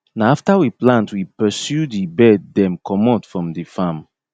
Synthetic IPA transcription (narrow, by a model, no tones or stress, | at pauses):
naaftawiplãntwipɛsjudibɛdːɛ̃mkʰɔmɔtfɹɔ̃mdifam